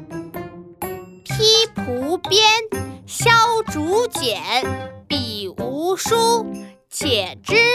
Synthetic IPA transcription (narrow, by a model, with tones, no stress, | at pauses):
pʰi˥pʰu˧˥pjɛ˥nɕjɑ˥ʊʈ͡ʂu˧˥t͡ɕjɛ˨˩˦npi˨˩u˧˥ʂu˥ | t͡ɕʰjɛ˨˩ʈ͡ʂɻ̩˥